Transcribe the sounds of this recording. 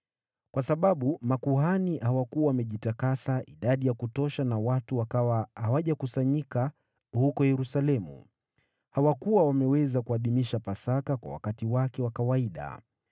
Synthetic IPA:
kwasaɓaɓumakuɦanihawakuawamɛʄitakasaʔḭɗaɗijakutɔʃanawatuwakawahawaʄakusaɲika | hukɔjɛɾusalɛmṵ | hawakuwawamɛwɛzakuaðimiʃapasakakwa̰wa̰katiwakɛwakawaiɗa̰

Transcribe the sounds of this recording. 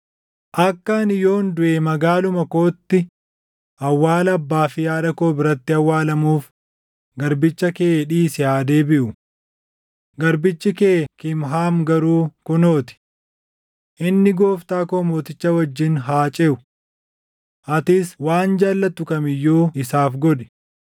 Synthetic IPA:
ʔɐkːɐnɪjo̞ːnd̪ʊʔeːmɐɡaːlʊmɐko̞ːt̪ːɪ | ʔɐwːaːlɐɐbːaːfɪjaːᶑɐko̞ːbɪɾɐt̪ːɪɐwːaːlɐmuːf | ɡɐɾbɪt͡ʃːɐkeːᶑiːsɪjaːd̪e̞ːbɪʔʊ | ɡɐɾbɪt͡ʃːɪkeːkɪmɦaːmɡɐɾuːkʊnoːt̪ɪ̥ | ʔɪnːɪɡoːft̪aːkomoːt̪ɪt͡ʃːɐwɐd͡ʒːɪnɦaːt͡ʃʼeːʔʊ | ʔɐt̪ɪswaːnd͡ʒaːlːɐt̪ːʊkʼɐmɪjːoːɪsaːfɡɔᶑɛ̥

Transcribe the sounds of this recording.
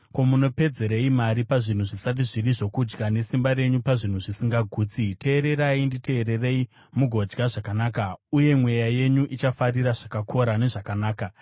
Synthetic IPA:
ko̞muno̞pe̞d͡ze̞ɾeimaɾipaʐin̤uʐisat̬iʐiriʐo̞kud͡ʒɡane̞simbaɾe̞ɲupaʐin̤uʐisiŋɡaɡʱuːt͡sitʰe̞ːɾe̞ɾaindite̞ːɾe̞rei | muɡʱo̞d͡ʒɡaʐakanaːkauje̞mwe̞jaje̞ɲuʔit͡ʃafariɾaʐ̥akakʰo̞ɾane̞ʐakanaːka

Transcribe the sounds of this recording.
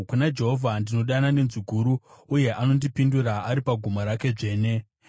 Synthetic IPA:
kunad͡ʒe̞ɦo̞vʱandino̞ɗanane̞nziɡʱuɾuːje̞ʔano̞ndipinduɾaːɾipaɡʱumaɾake̞ʐe̞ːne

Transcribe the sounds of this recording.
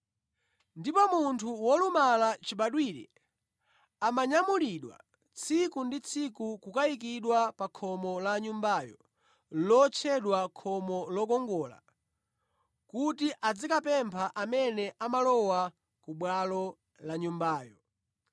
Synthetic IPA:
ndipɔmuntʰuwɔlumalat͡ʃiɓaɗwiɾɛ | amaɲamuliɗwa̰ | t͡sʰikundit͡sʰikukukajik̬iɗwapakʰɔmɔlaɲumbajɔ | lɔt͡ʃʰɛɗwakʰɔmɔlɔkɔŋɡɔːla̰ | kutiʔad͡zikapɛmpʰaʔamɛnɛʔamalɔwa | kuɓwalɔ | laɲumbaːjɔ

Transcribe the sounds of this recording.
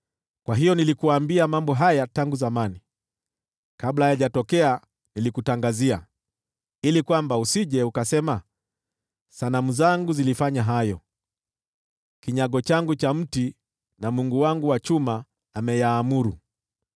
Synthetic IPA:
kwaɦijɔnilikuaːmbiamambɔɦajataŋɡuzamani | kablajaʄatɔkɛa | nilikutaŋɡazia | ilikwambausiʄɛukasɛma | sanamuzaŋɡuzilifaɲaɦajɔ | kiɲaɠɔt͡ʃaŋɡut͡ʃam̩ti | namuŋɡuwaŋɡuwat͡ʃumaː | mɛjaːmuɾu

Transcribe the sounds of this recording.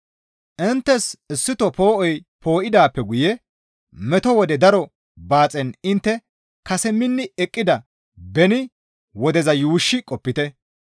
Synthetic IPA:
ʔɪnt̪ːɛsɪsːɪt̪ɔpo̞ːʔɔjpʰo̞ːʔɪd̪aːpːɛɡʊjɛ | mɛt̪ɔwɔd̪ɛd̪ɐɾɔ | baːt͡sʼɛnɪnt̪ːɛ | kɐsɛmːɪnːɪɛkʼːɪd̪ɐ | bɛnɪ | wɔd̪ɛzɐjuːʃːɪkʼɔpːɪt̪ɛ

